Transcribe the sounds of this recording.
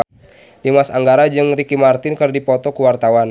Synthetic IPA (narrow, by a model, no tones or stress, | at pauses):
dimasaŋɡaɾad͡ʒɨŋrikimart̪ɪnkɨrdipɔt̪ɔkuwart̪awan